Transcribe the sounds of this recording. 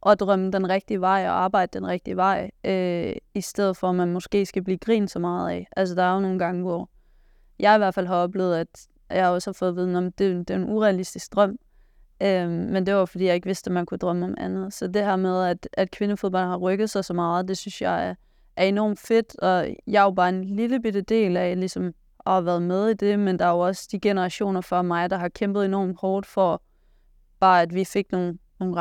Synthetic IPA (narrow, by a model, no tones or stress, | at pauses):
ʔɒ̽d̥ʁœməd̥enʁɛɡ̥̚d̥iəʋɑ̈ɪ̰ɒɑ̈ːb̥ɑ̈ɪ̰d̥əd̥enʁɛɡ̥̚d̥iəʋɑ̈ɪ̰ʔøisd̥eð̞̰̩ˠfɒ̽mænmɒ̽sɡ̥e̝̰ːsɡ̥æb̥liːɡ̥ʁḭːnsɒ̽mɑ̈ːð̩ˠɛ̰ʔæls̬əd̥ɑ̈ɐjono̝ːn̩ɡ̥ɑ̈ŋəʋɒ | jɑ̈ɪiʋæɐfælɦɑ̈ɒ̽b̥le̝ːð̞̩ˠæd̥ | jɑɪhɒ̽shɑ̈fɔ̽ːð̞̩ˠʋiːð̞ˠnɒmd̥e̝d̥enʔuʁɛælisd̥isɡ̥̚d̥ʁɶm̰ | ømend̥e̝ʋɑjofɒd̥ḭːjɑ̈ɪe̝ɡ̥ʋe̝sd̥emænkʰud̥ʁɶməɒ̽mænð̩ˠsɒ̽d̥e̝hæɐ̰með̞ˠæd̥æd̥kʰʋe̝nəfo̝ðˠbɒ̽n̰hɑ̈ʁœɡ̥ð̞̩ˠsɑ̈ɪsɒ̽mɑ̈ːð̞̩ˠd̥e̝synsjɑɪæ | ʔæɐe̝nɒ̰ːmd̥fe̝d̥ɒ̽jɑ̈ɪob̥ɑ̈ːe̝nliləb̥id̥əd̥e̝̰ːlælisɒ̽m | ʔɒ̽hɑ̈ʋæɐð̞̩ˠmeð̞ˠid̥e̝mend̥ɑ̈æjoɒ̽sd̥iɡ̥enəʁɑ̈ɕo̝̰ːnɐfɒmɑ̈ɪd̥ɑ̈ɦɑ̈kʰemb̥ð̩ˠenɒ̰ːmhɒːd̥fɒ | b̥ɑ̈ːæd̥ʋife̝ɡ̥noːnno̝ː